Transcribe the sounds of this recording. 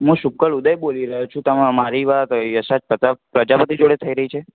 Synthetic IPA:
ɦũʃukːəɭud̪əjboliɾəɦot͡ʃʰũt̪əmãmaɾiʋat̪jəʃad͡ʒpət̪apɾəd͡ʒapət̪id͡ʒoɽet̪ʰəiɾəɦit͡ʃʰe

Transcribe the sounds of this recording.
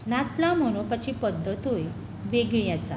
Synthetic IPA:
nat̪lam̤əɽ̃ũpət͡ɕipəd̪ʱːət̪ɦoj | ʋeɡɭĩasa̰

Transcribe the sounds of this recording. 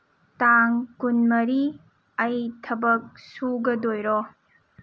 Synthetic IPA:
taŋkunmɐɾi | ɐjtʰɐbɐk̚suɡɐdojɾɔ

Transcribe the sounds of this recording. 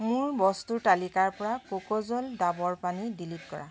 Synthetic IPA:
muɹbɔstutalikaɹpɔɹakokozɔldabɔɹpanidilit̚kɔɹa̰

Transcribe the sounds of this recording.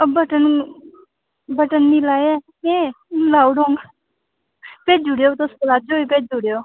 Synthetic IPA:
əbəʈən | bəʈənːilaːa | ẽ | laːuɽõŋɡ | peːd͡ʒuɽjot̪osəɾaːd͡ʒoipeːd͡ʒuɽjoː

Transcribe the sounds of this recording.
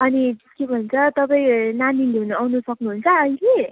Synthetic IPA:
ʌnit̪ʌskebʱʌnt͡sʰʌt̪ʌpaĩnand̪ind̪ʱeuneawnusʌknuɦunt͡sʰʌːile

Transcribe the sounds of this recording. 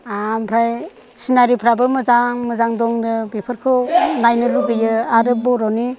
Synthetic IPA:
ampʰɾaj | sinaɾipʰɾabɯmɯzaŋmɯzaŋdɔŋdɯbepʰɯɾkʰɯnajnɯɾuɡɯjɯaɾɯp̚bɔɾɔni

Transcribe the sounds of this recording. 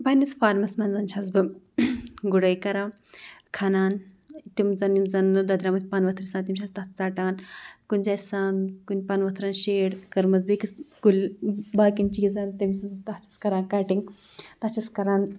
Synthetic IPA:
bɐnisfaːɾmɐsmɐnzɐnʃʰazbɨ | ɡuɽɐjkɐɾaː | kʰanaːn | t̪imzɐnimzɐnd̪ɐd̪ɾamut̪̚ʰʲpɐnʋɐt̪ʰɾisaːnt̪imʃʰaːst̪ɐt͡saːʈaːnkunʲd͡ʒaːsaːnkunʲpɐnʋɐt̪ʰɾaːnʃeːɽkɐɾmɐz̬bikisɡulʲbaːkint͡ʃizaːnt̪imzt̪ɐht͡ʃi̥skɐɾaːnkaːʈiŋ | t̪ɐt͡ʃʰiskɐɾaːn

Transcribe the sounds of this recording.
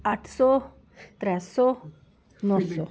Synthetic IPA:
aʈʰsɔ | t̪ɾɛsɔ | nɔsɔ

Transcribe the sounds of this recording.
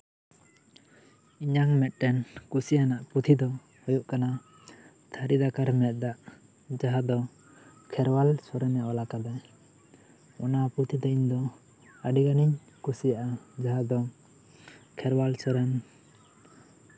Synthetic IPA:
iɲaŋmɛt̪̚ʈɛnkusijanaʔput̪ʰid̪ɔ | hɔjuʔkana | t̪ʰaɾid̪akaɾmɛt̪̚ˀd̪aʔ | d͡ʒaɦad̪ɔ | kʰɛɾwalsɔɾɛnjawalakad̪aj | ɔnaput̪ʰid̪ɔiɲd̪ɔ | aɖiɡaniɲ | kusijaʔad͡ʒaɦad̪ɔ | kʰɛɾwalsɔɾɛn

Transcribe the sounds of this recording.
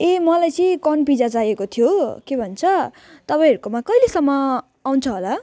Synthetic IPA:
emʌlajt͡sʌ̃kʌnpid͡zad͡zajekot̪ʰijokebʱʌnt͡sʰʌ | t̪ʌpaĩɦʌɾukomakʌjlesʌmːʌ | aw̃nt͡sʰʌɦola

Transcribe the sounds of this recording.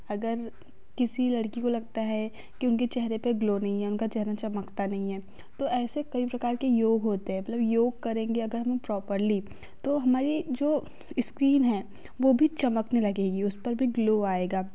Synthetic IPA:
ɐɡəɾ | kɪsilɐɽkikolɐɡ̚t̪aɦɛ | kiʊnket͡ʃɛɦɾepeɡloːnɐɦĩɦɛʊnkat͡ʃɛɦɾat͡ʃɐməkt̪anɐɦĩɦɛː | t̪oɛːsekɐipɾɐkaːɾkejoːɡɦoːt̪eɦɛ̃mɐt̪ləbjoːɡ̚kɐɾẽːŋɡeɐɡəɾɦɐmepɾɔːpəɾli | t̪oɦɐmaːɾid͡ʒoː | ɪskɾiːnɦɛ̃ | ʋoːbʱit͡ʃɐməknelɐɡeːɡiʊspɐɾbʱiɡloːaːeːɡaː

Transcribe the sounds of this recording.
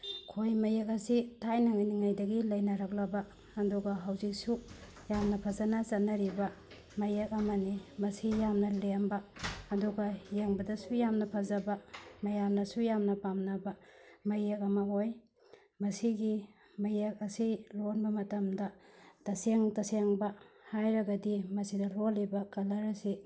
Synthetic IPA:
kʰojmɐjekɐsitʰajnaŋajniŋajdɐɡilɐjnaɾak̚lɐbaː | duɡaɦawzik̚su | jamnɐpʰazanat͡ʃɐnːɐɾibɐ | mɐjek̚ɐmɐnimɐsijamnɐlembaːduɡajeŋbɐdɐsujamnɐpʰazabamɐjamnɐsujamnɐpamnabɐmɐjekɐmɐɦoj | mɐsiɡi | mɐjek̚ɐsilonbɐmɐtɐmdɐtɐseŋtɐseŋbɐhajɾɐɡɐdimɐsidɐlolibɐkɐlɐɾɐsi

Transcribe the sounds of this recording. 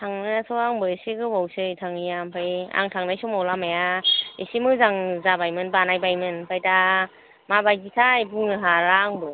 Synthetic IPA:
tʰaŋnɯjasɔaŋbɯesiɡɯbawsɯjtʰaŋijampʰaja̰ŋtʰaŋnajsumawlamajaesimɯzaŋzabajmɯnbanajbajmɯnpʰajta | mabajɡitʰajbuŋɯɦaɾaŋbɯ

